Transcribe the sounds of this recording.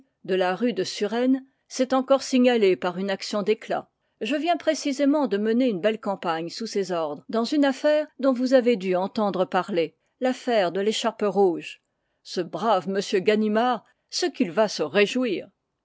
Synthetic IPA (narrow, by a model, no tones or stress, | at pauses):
d̪əlaʁyd̪əsyʁɛn | sɛt̪ɑ̃kɔʁsiɲalepaʁynaksjɔ̃d̪ekla̰ | ʒəvjɛ̃pχesizemɑ̃d̪əməneynbɛlkɑ̃paɲsusezɔʁd̪ʁəd̪ɑ̃zynafɛʁd̪ɔ̃vuzaved̪yɑ̃t̪ɑ̃d̪ʁəpaʁle | lafɛʁd̪əleʃaʁpəʁuʒ | səbʁavməsjøɡanimaʁ | səkilvasəʁeʒwiːʁ